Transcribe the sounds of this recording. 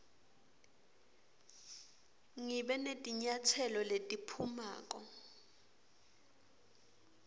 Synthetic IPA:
ŋiɓɛnetʼiɲatʰɛlɔletʼipʰuma̰ːk̬ʼɔ

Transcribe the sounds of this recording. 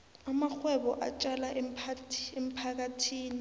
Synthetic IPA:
amaxwɛɓɔʔa̰t͡ʃʼalaʔɛpʰaem̩pʰak̬atʰiːni

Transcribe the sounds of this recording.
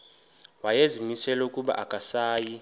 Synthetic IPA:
wajezimisɛlɛukʼuɓa̰ʔakʼasaːji

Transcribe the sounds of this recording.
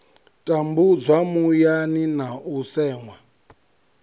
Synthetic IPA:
tʼambud͡zʷamujaninausɛːŋwa

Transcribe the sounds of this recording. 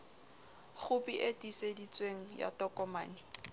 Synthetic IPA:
χʊpiʔetisedit͡sʼweŋ̩ja̰tɔkʼɔmaːnɪ

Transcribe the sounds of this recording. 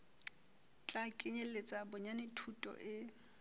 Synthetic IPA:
t͡ɬʼakʼɪɲelet͡sʼabʊɲanɪtʰutʼɔ̰ʔɪ

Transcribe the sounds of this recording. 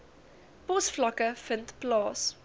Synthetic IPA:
pɔsflɐkəfəntplɑːs

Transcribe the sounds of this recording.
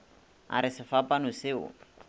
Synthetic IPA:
a̰ɾɪsɪfapʼanʊsɪʊ̰

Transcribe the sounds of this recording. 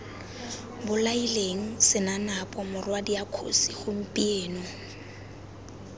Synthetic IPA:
bʊlaileŋ̩sɪnanapʼɔmʊrwadiakʰo̰siχʊm̩pʼieːnɔ

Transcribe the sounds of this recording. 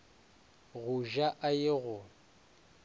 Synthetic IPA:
ɣuʒaʔajɪɣʊ

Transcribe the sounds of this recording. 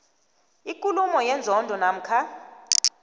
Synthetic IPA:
ikʼulumɔjɛnd͡zʱɔndʱɔnam̩kʰa

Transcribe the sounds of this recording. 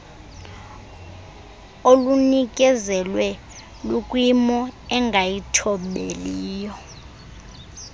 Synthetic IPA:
olunik̬ʼɛzɛlwɛ | lukʼwimɔɛŋɡʱajitʰɔɓeliːjɔ

